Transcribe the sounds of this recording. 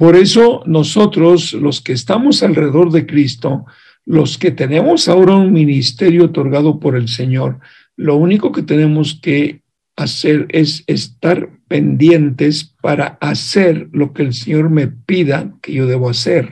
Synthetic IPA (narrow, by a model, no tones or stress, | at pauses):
po̞ɾe̞so̞no̞so̞t̪ɾo̞slo̞ske̞ːst̪amo̞salreeo̞ɾðe̞kɾist̪o̞ | lo̞ske̞t̪e̞ne̞mo̞sao̞ɾaunmĩnist̪e̞ɾjo̞ːt̪o̞ɾɣaðo̞po̞ɾe̞ls̬e̞ɲo̞ɾ | lo̞uniko̞ke̞t̪e̞ne̞mo̞ske̞ | ase̞ɾe̞sest̪aɾpe̞nd̪je̞nt̪e̞spaɾaase̞ɾlo̞ke̞ːlseɲo̞ɾme̞piðake̞ʝo̞ðe̞βoase̞ɾ